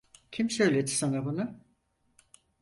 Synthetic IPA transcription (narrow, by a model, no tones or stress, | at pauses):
cʰimsø̞jlʲed̪i̥sanabuna